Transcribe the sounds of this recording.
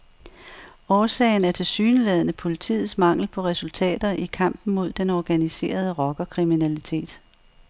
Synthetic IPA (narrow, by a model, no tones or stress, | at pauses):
ɒːsɛ̰ːɪnæɐt͡sʰe̝lsyːnəlɛð̞̰ˠnəpʰo̝lit͡sʰḭːð̩ˠsmɑ̈ŋ̰l̩pʰɒ̽ʁɛsult͡sʰɛ̰ːd̥ɐʔikʰɑ̈m̰b̥n̩mo̝ð̞̰ˠd̥enɒɡ̥ænise̝̰ːɐð̞ˠəʁɒ̽ɡ̥ɐkʰʁiminælit͡sʰe̝̰ːd̥